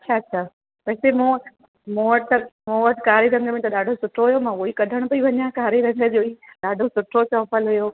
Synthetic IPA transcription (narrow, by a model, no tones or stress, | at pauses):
t͡ɕʰaːɐt͡ɕʰaː | pɐːsemũ | moːəʈ̚t̪ɐmoːəʈkaːɾiɾɐ̃ŋɡmẽt̪ɐɗaːɖʱosʊʈʰoɦʊjomãːoikɐd̪ʱəɽ̃pɐiʋɐɲjãkaːɾiɾɐ̃ŋɡ̪əd͡ʑoːiɗaːɖʱosʊʈʰot͡ɕɔ̃ːpəlɦʊjoː